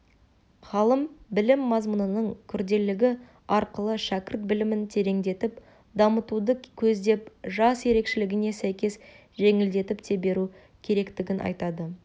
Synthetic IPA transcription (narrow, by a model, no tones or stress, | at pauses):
χɑlˠəmbɪlɪmːɑzmənənəɴkʲʰʏɾd̪e̞lɪɡʲɪ | ɑɾqəlˠəʃækʲɪɾt̪̚bɪlɪmɪnt̪ʰe̞ɾe̞ŋd̪e̞t̪ɪp | d̪ɑmət̪ud̪əkʲʰɵzd̪e̞p̚ʒɑsje̞ɾe̞kʃɪlɪɡʲɪne̞sæjkʲe̞s | ʒe̞ŋɪld̪e̞t̪ɪpt̪ʰe̞be̞ɾu | kʲʰe̞ɾe̞kt̪ɪɡʲɪnʔɑ̰jt̪ɑd̪ə